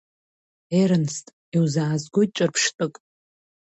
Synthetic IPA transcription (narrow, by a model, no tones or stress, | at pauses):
eɾɨnstʼ | iwzaːzɡʷʊt͡ʃʼɨrpʰʂtʼɨkʼ